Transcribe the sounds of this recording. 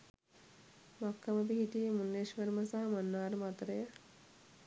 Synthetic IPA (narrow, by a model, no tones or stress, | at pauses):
makːaməp̬iɦiʈijmunːeʃʋeɾməsaɦɐmanːaːɾəmat̪ɾəjə